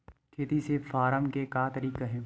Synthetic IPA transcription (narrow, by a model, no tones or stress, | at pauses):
kʰeːt̪isefaːɾəmkekaːt̪ɐɾiːkaɦɛ̃ː